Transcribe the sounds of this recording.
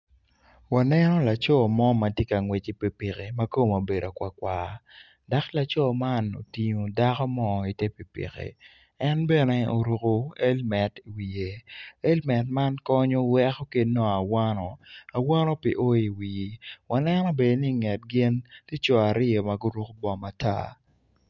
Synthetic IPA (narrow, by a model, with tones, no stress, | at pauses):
wa˨nɛ˦nɔ˦la˨t͡ʃɔ˦mɔ˦ma˨tje˦ka˨ŋwe˨t͡ʃi˦pi˨pɪ˨ke˨ma˦ko˦mo˨be˨do˨kwa˨kwa˨ | da˨˦kla˨t͡ʃɔ˦ma˦no̰˨ti˨ɲo˨da˦kɔ˦mɔ˦˨i˨tje˦pi˨pḭ˨kḛ˨ | ɛ˦nbɛ˦nɛ˦o˨ɾu˨ko˦e˦lmɛ˨ti˨wi˨je˨e˦lmɛ˨tma˦nkɔ˦ɲɔ˦wɛ˦kɔ˦ke˦dnɔ˦a˨wa˦nɔ˨a˨wa˦nɔ˦pḭ˨ʔo˦i˨wi˨wa˨nɛ˦nɔ˦be˨dni˦ŋɛ˨t̚ɡɪ˦nti˦t͡ʃɔ˨a˨ɾɪ˦ɔ˨ma˨ɡo˦ɾu˦kbɔ˦ma˨ta̰˦